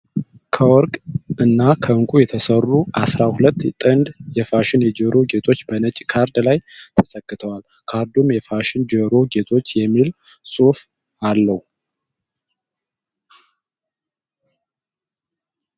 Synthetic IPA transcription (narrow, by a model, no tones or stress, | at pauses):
kʰəwɔɾkʼɨnːakʰəɨŋkʼujɛt̪ʰəsərːuʔasɾahulət̪ːt̪ʼɨnd̪jɛfaʃɪnjɛd͡ʒəɾoɡe̞t̪ʰo̞t͡ʃːbənət͡ʃʼːkʰaɾd̪lajt̪ʰəsəkːɨt̪ʰəwal | kʰaɾd̪umjɛfaʃɪnd͡ʒəɾoɡe̞t̪ʰo̞t͡ʃːjɛmːil | sʼuf | alːəhu